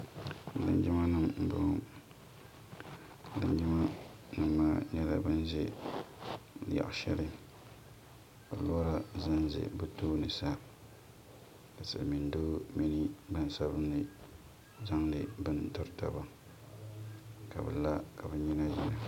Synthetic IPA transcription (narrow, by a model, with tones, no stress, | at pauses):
lɨ̰˦nd͡ʒɪ˦ma˦nɨ˦˨mm̩˨bʊ̰˨ | lɨ̰˦nd͡ʒɪ˦ma˦ | nɨ˨mːaː˦ɲɛ˦la̰˦bɨ˦n˦zḛ˦˨ | ja̰˨ʔʃɛ̰˦lɨ˦ | bɨ˨lɔ˦ɾa˦zɨ˦n˦zḛ˨bɨ˦toː˦nɨ˨sa˦ | ka˨sɨ̰˨mi˨ndoː˦mi˦nɨ˦ba˦n˦sa˦bɨ˦nːɨ˨ | za˦ŋlɨ˨bɨ˦ntɔ˦ɾta̰˦ba˦ | ka˨bɨ˨la˦ka˨bɨ˨ɲi˦na˦ji˨na˨